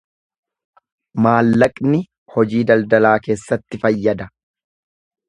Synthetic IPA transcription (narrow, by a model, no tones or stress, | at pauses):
maːlːɐkʼnɪ | hɔd͡ʒiːd̪ɐld̪ɐlaːke̞ːsːɐt̪ːɪfɐjːɐd̪ɐ